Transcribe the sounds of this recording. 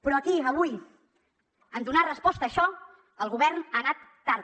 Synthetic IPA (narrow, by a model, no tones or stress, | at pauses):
pɾɔəkiəβ̞uj | əmd̪unarəspɔst̪əːʃɔ | əlˠɣuβɛɾnaːnat̪ːaɾ